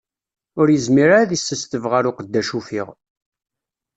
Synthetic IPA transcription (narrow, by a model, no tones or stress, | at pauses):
ʊɾjəzmiɾaɾaðisːəst̪əvʁaɾʊqəd̪ːæʃufḭʁ